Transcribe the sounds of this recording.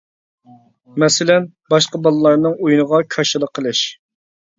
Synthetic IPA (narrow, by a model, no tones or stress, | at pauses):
mɛsɪlɛn | bɑʃqɑbɑlˠɨlˠɑɾnɨŋujunəʁɑkʰɑʃɨlˠəqʰːəlˠɨʃ